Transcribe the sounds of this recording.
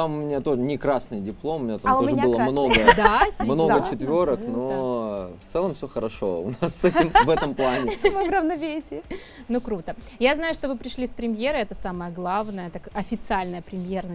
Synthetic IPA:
t̪amʊmʲɪnʲat̪o̞ʐɨnʲɪkɾasnɨjdʲɪplˠo̞mʊmʲɪnʲat̪amoʐəɨlˠəmno̞ɡəd̪asʲmno̞ɡət͡ɕɪt̪vʲoɾəknoft̪sɛlˠəmfsʲoxəɾɐʂo̞̰ʊ̰nasːɛtʲɪmvɛt̪əmplˠanʲɪvɨvɾəvnɐvʲesʲɪ | nukɾut̪ə | jaznajʊʂt̪ovɨpɾʲɪʂlʲisʲpɾʲɪmʲjeɾɨɛt̪əsaməjəɡlˠavnəjət̪akɐfʲɪt̪sɨalʲnəjəpɾʲɪmʲjernə

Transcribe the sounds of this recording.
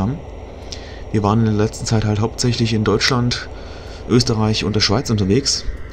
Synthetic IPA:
aːbm̩ | viːɐvaːʁənɪndeːɐlɛt͡stn̩t͡saɪthaltɦaʊp̚tz̥ɛçlɪçɪndɔʏt͡ʃlant | ʔøːstəʁaɪçʊ̰ntd̥eːɐʃv̥aɪt͡sʔʊntɐveːks

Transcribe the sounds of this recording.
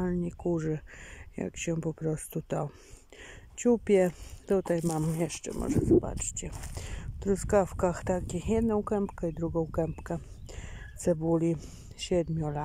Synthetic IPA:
alɲikuʐɛja̰kɕɛpɔpɾɔst̪ut̪ɔ | t͡ɕupʲjɛt̪ut̪ajmamjɛʂt͡ʂɛ̰mɔ̰ʐɛ̰zɔba̰t͡ʂt͡ɕɛft̪ɾuskafkaxt̪akʲijɛd̪nɔ̃w̃kɛmpkɛid̪ɾuɡɔ̃w̃kɛmpkɛ | t̪sɛbulʲi | ɕɛd̪mʲjɔla

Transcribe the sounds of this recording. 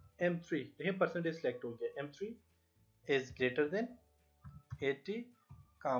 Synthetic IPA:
ɛ̃mt̪ʰɾiːɦẽːpəɾsə̃ɳʈeːzsɪlɛk̚ʈɦoːɡɪɛːʔɛ̃mt̪ʰɾiː | ɪzɡɾeːʈəɾd̪ɛ̃n | eːʈiː | kãː

